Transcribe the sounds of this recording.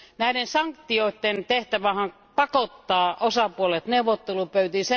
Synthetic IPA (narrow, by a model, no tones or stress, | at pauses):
næiɾensɑŋkt̪ːioˑit̪ːent̪eht̪æʋæhɑŋ | pɑkot̪ːɑːʔosɑpuolet̪neuʋot̪ːelupøyt̪ise